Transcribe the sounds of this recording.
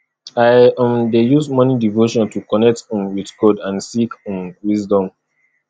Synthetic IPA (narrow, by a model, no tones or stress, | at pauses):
ajʔɔ̃mdejusmɔnidivoʃɔ̃ntukɔnɛk̚tĩmwitɡɔdãnsiknwizdɔ̃m